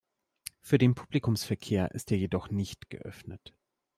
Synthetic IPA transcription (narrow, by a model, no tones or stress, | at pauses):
fyːɐɾeːnpʰu̥plikʊmsfɛɐkʰeːɐʔɪ̰stʔeːɐjeːdɔχnɪçtɡ̥ə̰ʔœ̰fnət